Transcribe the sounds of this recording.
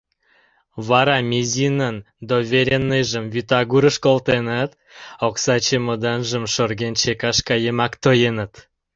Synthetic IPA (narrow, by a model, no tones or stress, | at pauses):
βɑɾɑmʲezʲinən | d̪ovʲeɾʲenːejʒəmvyt̪ɑɣuɾəʃkolt̪enət̪ | oksɑt͡ɕemod̪ɑnʒə̆mʃorɣent͡ɕekɑʃkɑjemɑkt̪ojenət̪